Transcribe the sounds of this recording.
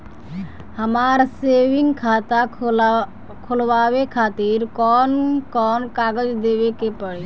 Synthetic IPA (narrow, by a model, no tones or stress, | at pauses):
həmaɾseʋɪŋɡkʰaːt̪a | kʰolʋaːwekʰaːt̪iɾkɔːnkɔːnkaːɡəd͡ʒd̪ebekepəɽe